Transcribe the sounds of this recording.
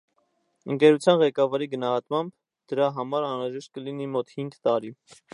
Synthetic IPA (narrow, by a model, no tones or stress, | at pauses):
əŋkɛɾut͡sʰjɑnʁɛkɑvɑɾiɡənɑɦɑt̪mɑmb | d̪̥əɾɑɦɑmɑɾɑnɾɑʒɛʃt̪̚kəlinimɔt̪hiŋɡt̪ɑɾi